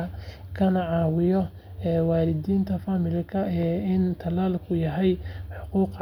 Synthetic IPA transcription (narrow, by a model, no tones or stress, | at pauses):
ɐkʰɐnɐʕɑːwɪjɔ | ɛːwaːlɪd̪iːnt̪ʰɐfaːmɪlɪkʰɐʔɛːɪnt̪ʰɐlaːlkʰʊjɐɦɛjħʊquːq